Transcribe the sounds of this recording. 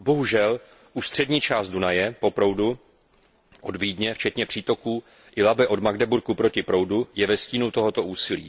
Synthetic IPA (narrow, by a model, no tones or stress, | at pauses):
bo̞ɦuʒɛl | ʔuʃst̪r̝̥ɛdɲiːt͡ʃaːst̪̚dunajɛpo̞pɾo̞wdu | ʔodviːdɲɛft͡ʃɛt̪ɲɛpr̥iːt̪o̞kuː | ʔɪlabɪʔo̞dmaɡdɛbuɾkupɾo̞cɪpɾo̞wdujɛvɛsciːnowt̪o̞ɦo̞t̪o̞ʔuːsɪlḭː